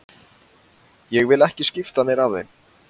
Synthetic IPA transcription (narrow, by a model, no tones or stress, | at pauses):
jɛɣvɪlɛhcɪscɪft̪anɛɾavðḛn